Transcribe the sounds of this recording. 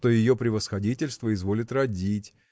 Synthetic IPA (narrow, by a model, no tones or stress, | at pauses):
t̪o̞jɪjo̞pɾʲɪvəsxɐdʲitʲɪlʲst̪vəɪzvo̞lʲɪt̪rɐdʲitʲ